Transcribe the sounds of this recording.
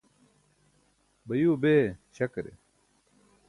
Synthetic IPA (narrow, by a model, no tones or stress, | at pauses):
bɐjuːbeːɕɐkɾḛ